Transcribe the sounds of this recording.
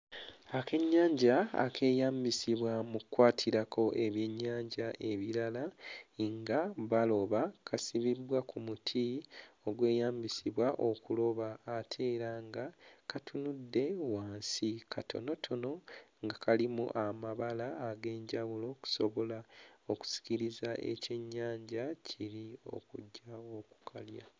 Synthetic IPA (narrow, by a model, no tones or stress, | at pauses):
ake̞ɲːaːɲɟa̰ːkʰe̞ːjaːmbisiβwamukwaːtʰiɾakʰo̞ʔe̞βje̞ɲːaːɲɟaʔe̞βiɾalaŋɡaβalo̞βakʰasiβibwakumutʰio̞ɡwe̞ːjaːmbisiβwaʔo̞kulo̞βaːtʰe̞ːɾaŋɡakatʰunudːe̞waːnsikʰatʰo̞̰no̞tʰo̞no̞ŋɡakalimṵʔamaβalaːɡe̞ːɲɟawulo̞ku̥so̞βo̞laoku̥si̥ciɾizaʔe̞̰ceɲːaːɲɟacʰiɾio̞̰kuɟːao̞ku̥kʰalja̰